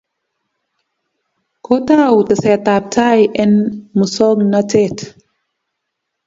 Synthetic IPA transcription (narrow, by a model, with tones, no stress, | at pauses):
kʰo˦ta˦wtə˨sɛ˨ta˨p̚tʰa˦jʔɛ˦nmu˨sɔ˦ŋna˦te˦t